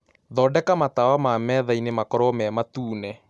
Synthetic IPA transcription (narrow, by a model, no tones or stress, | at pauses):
ðɔːdɛkamatawamamɛðainemakɔɾɔmɛmatuːnɛ